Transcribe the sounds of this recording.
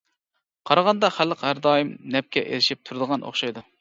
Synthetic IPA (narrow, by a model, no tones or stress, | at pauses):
qʰɑɾɑʁɑnd̪ɑχælːəqhæɾd̪ɑːjimnɛp̚kʲʰɛʔḛlɪʃip̚t̪ʰuɾd̪əʁɑnʔo̰χʃɑjd̪u